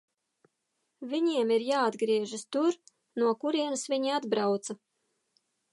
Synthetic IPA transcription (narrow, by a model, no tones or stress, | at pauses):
vʲiɲiɛmiɾjaːad̪ɡɾiɛʒast̪uɾ | nuɔkuɾiɛnasviɲiad̪bɾawt̪sa